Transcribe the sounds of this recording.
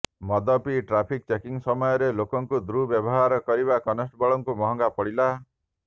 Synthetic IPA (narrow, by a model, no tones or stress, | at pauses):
mɔd̪ɔpiʈɾapʰik̚t͡ʃekiŋsɔmɔjɔɾelokɔŋkud̪ɾubjɔbɔɦaɾɔkɔɾibakɔnɔsʈbɔɭɔŋkumɔɦɔŋɡapɔɽila